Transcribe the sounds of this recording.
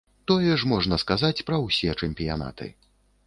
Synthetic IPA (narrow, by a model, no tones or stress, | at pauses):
t̪ɔjɛʂmɔʐnɐskazat͡sʲpɾɐwsʲɛt͡ʂɛmʲpʲija̰na̰t̪ɨ̰